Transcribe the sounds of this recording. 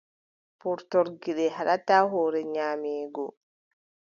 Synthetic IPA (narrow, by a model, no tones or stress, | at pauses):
puɾtɔɾɡiɗɛɦaɗataːɦɔːɾɛɲaːmɛːɡɔ